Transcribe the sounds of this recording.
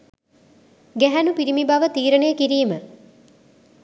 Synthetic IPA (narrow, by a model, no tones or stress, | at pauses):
ɡæɦænupiɾimibɐʋət̪iːɾənejəkiɾiːmə